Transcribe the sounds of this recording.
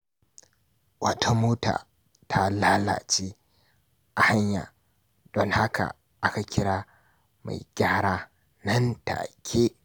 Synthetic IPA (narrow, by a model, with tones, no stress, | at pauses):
wɐ˦tʰa˦moː˦ta̰ː˨ | tʰa˦laː˦la̰˨t͡ʃiː˦ | ʔa˨ha˦ɲja̰ː˨ | d̥ɔ˨ŋha˦ka̰˨ | ʔa˦ka˨kʲɪ˦ɽaː˦ | ma̰˨jɡʲaː˦ɽaː˦ | nɐ˦nta̰˨kʲʰeː˦